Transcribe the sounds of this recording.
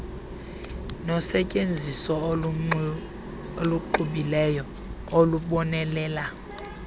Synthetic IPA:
nɔsɛcʼend͡zʱisɔ | oluǃuɓilɛjɔ | oluɓɔnɛlɛːla

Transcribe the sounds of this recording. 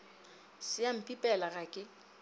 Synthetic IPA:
sɪjam̩pʼipʼɛlaɣakʼɪ

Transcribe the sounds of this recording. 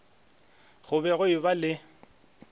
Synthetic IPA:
ɣʊbɛɣʊɪbalɪ

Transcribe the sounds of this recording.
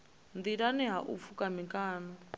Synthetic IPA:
nd̪iɺaniɦaʔṵfukamiŋkaːnɔ

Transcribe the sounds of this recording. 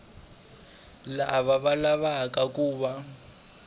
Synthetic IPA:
laβaβalaβakakuːβa

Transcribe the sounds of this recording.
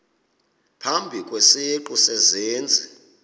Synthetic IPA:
pʰambʱikʼweseǃusɛzeːnd͡zʱi

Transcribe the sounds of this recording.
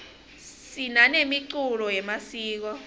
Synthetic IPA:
sinanemiǀulɔjɛmasiːk̬ɔ

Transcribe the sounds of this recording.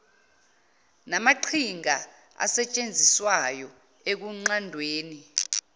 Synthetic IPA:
namaǃʰiŋa | a̰sɛt͡ʃʼend͡zʱiswajɔ | ek̬uŋ͡ǃandʱweːni

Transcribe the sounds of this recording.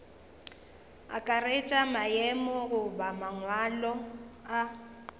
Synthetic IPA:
a̰kʼaret͡ʃʼamajemɔɣʊbamaŋwalɔa

